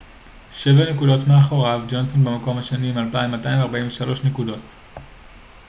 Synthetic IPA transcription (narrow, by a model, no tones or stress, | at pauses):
ʃe̞vanekudo̞tmeaχo̞ʁavd͡ʒo̞nso̞nbemako̞mhaʃeniːmalpaimataimvaʁbainveʃalo̞ʃnekudo̞t